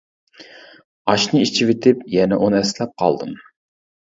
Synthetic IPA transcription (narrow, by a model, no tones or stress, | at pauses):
ɑʃnɨit͡ʃʰivet̪ʰɪpjɛnɛʔonɛslɛp̚qʰɑ̰lˠd̪ɨ̰m